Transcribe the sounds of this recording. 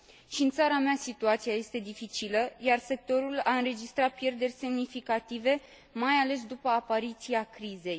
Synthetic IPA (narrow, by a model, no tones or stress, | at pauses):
ʃiɨnt̪saɾameasit̪uat̪sijaje̞st̪e̞d̪ifit͡ʃiləjarse̞k̚t̪o̞ɾulaɨnɾe̞d͡ʒist̪ɾat̪̚pje̞rd̪e̞rʲse̞mnifikat̪ive̞ | majale̞sd̪upəapaɾit̪siakɾize̞j